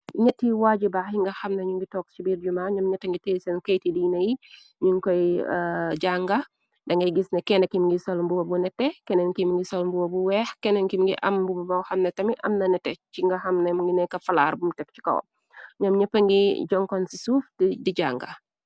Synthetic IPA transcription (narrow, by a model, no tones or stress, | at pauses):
ɲɐtːiwaːɟibaːxiŋɡɐxɐmnɐɲuŋɡitɔːkst͡ʃibiːɾd͡ʒumaɲɔmɲɐtːɐŋɡitɛːsɛnkɐjtidiːnɐji | ɲuŋkɔj | d͡ʒaŋɡɐ | dɐŋɡɐjɡisnɐkɛnɐkimŋɡisɐlmbuwɐbunɛtːɛkɛnɛnkimŋɡisɐlmbuwɐbuwɛːxkɛnɛnkimŋɡḭʔɐmbububɐwxɐmnɐtɐmiʔɐmnɐnɛtːɛciŋɡɐxɐmnɐmuŋɡinɛkːɐfɐla̰ːɾbumtɛk̚t͡ʃi̥kɔ̰w̰ | ɲɔmɲɐpːɐŋɡid͡ʒɔŋkɔnsisuftidiɟaːŋɡɐ̰